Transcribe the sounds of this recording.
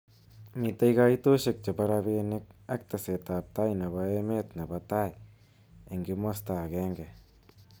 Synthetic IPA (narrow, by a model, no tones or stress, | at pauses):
mitaikaitoʃek̚t͡ʃapaɾabenɪk̚ak̚t̪aset̪ap̚t̪ajnaβaemetnabataj | eŋɡɪmostakeŋɡe